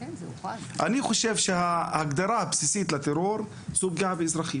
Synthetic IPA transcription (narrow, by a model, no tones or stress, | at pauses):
ʔaniχoʃevʃehahaɡd̪aɾˤahabsisit̪lat̪eɾoɾ | zuɡaʕbeizɾaχim